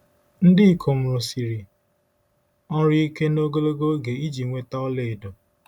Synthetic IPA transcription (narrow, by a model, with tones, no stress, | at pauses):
n̩˦dɪ˦i˨kʰo˨m̩˨ɾo˨si˨ɾi˨ | ɔ˦ɾi˦i˦ke˦no˦ɡo˦lo˦ɡo˦ɡe˨i˦d͡ʒi˨ŋʷe˦ta˦ɔ˦le˨e˨do˨